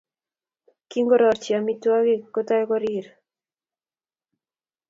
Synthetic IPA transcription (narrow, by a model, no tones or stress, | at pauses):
kiŋɡɔɾɔɾt͡ʃiamitwaɣekːotajkɔɾiɾ